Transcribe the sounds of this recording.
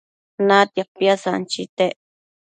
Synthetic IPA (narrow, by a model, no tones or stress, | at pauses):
nãt̪japjasant͡ʃit̪eʔ